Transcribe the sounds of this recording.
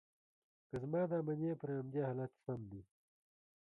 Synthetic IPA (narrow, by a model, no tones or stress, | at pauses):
kəzmɑːd̪aːmɐnjeːpəɾamd͡ʒaːhaːlaːt̪sɐmd̪i